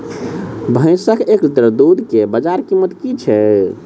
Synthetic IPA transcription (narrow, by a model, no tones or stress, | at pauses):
bʱə̃ɪ̃səkʰeklit̪ɾəd̪ud̪ʱkebəd͡ʒaɾkimːət̪kit͡ʃʰɛ